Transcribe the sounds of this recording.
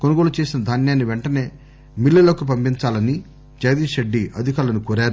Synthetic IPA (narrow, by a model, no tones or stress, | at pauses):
ko̞nuɡo̞ːlut͡ʃe̞ːsinɐd̪ʱaːnjaːnːiʋeɳʈɐne̞ː | milːɐlɐkup̬ɐmpiɲt͡ʃaːlɐni | d͡ʒɐjɐd̪iːʃeɖːiʔɐd̪ʱikaːlɐnukoːɾaːɾu